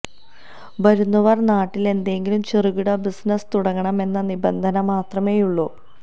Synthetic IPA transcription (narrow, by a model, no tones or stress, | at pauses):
ʋɐɾunːɐʋɐrnaːʈːile̞nd̪e̞ŋɡilumt͡ɕeruɣiɽɐbisnɐst̪uɽɐŋːɐɳɐme̞nːɐnibɐnd̪ʱɐnɐmaːt̪rɐme̞ːjuɭːoː